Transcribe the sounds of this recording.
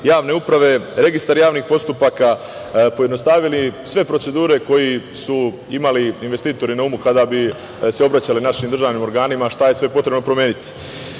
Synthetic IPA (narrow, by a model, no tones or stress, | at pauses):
jaːʋne̞upɾaʋe̞ɾe̞ɡist̪aɾjaːʋniːxpo̞st̪upaka | po̞jed̪no̞st̪aʋilisʋe̞pɾo̞tse̞d̪uːɾe̞ko̞jisu | imaliinʋest̪iːt̪o̞ɾinaumukad̪abi | se̞o̞bɾat͡ɕalinaʃiːmd̪ɾr̩ʒaːʋniːmo̞ɾɡaːnimaʃt̪aje̞sʋe̞po̞t̪ɾebno̞pɾo̞mjeːnit̪i̥